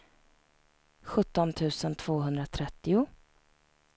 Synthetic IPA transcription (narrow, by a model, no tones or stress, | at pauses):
ɧɵt̪ːɔnt̪ʰʉ̟ːsənt̪ʰv̥oːɦɵnd̪ɾat̪ʰɾɛt̪ːɪʊ